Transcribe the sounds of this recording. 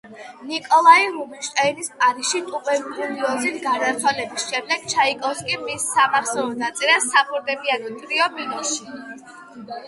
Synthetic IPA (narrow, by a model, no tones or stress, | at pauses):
nikʼɔlˠaiɾubinʃt̪ʼɛinispʼaɾiʃit̪ʼupʼɛbululiɔzit̪ʰɡad̪aɾt̪sʰwalɛbisʃɛmd̪ɛɡ̥̚t͡ʃʰaikʼɔskʼimisːamaɾsɔɔnat̪sʼiɾasabʼuɾd̪ɛbianɔt̪ʼɾiɔbilɔʃi